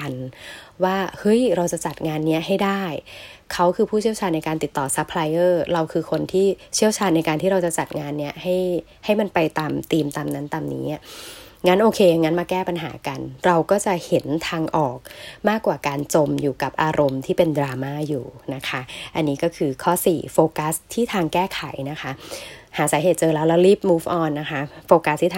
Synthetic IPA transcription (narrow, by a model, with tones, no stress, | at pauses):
a˧nwaː˥˩hɤ˦˥jɾa˧wt͡ɕa˨˩t͡ɕa˨˩t̪̚ŋaː˧nːi˦˥ɐɦa˥˩jdaː˥˩jkʰa˦˥wkʰɯː˧pʰuː˥˩i˥˩əwt͡ɕʰaː˧nːa˧jkaː˧nt̪i˨˩t̪ːɔː˨˩sa˦˥pʰlaː˧jʔɤː˥˩ɾa˧wkʰɯː˧kʰo˧nt̪ʰiː˥˩t͡ɕʰi˥˩əwt͡ɕʰaː˧nːa˧jkaː˧t̪iː˥ɾa˧wt͡ɕa˨˩t͡ɕa˨˩t̪̚ŋaː˧nːi˦˥ɐha˥˩j | ha˥˩jma˧npa˧jt̪aː˧mt̪iː˧mt̪aː˧mna˦˥nt̪aː˧mnḭː˦˥˩ | ŋa˦˥nʔoː˧kʰeː˧jŋa˦˥nmaː˧kɛː˥˩pa˧nɦa̰ː˩˦ka˧nɾa˧wkɔː˥˩t͡ɕa˨˩he˩˦nt̪ʰaː˧ŋʔɔː˨˩k̚maː˥˩kwaː˨˩kaː˧nt͡ɕo˧mjuː˨˩ka˨˩p̚ʔaː˧ɾo˧mt̪ʰiː˥˩pe˧ndɾaː˧maː˥˩juː˨˩na˦˥kʰa˦˥ʔa˧nːiː˦˥kɔː˥˩kʰɯː˧kʰɔː˥˩sḭː˨˩foː˧ka˦˥st̪ʰiː˥˩t̪ʰaː˧ŋkɛː˥˩kʰa˨˩˦jna˦˥kʰa˦˥haː˩˦saː˩˦ɦeː˨˩t̪̚t͡ɕɤː˧lɛː˦˥wlɛː˦˥wliː˦˥˩p̚muː˦˥fʔɔː˧nːa˦˥kʰa˦˥foː˧ka˦˥st̪ʰiː˥˩